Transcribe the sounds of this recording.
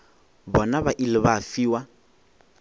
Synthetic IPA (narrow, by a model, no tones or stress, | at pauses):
bɔnaβaʔilɪβafiːwa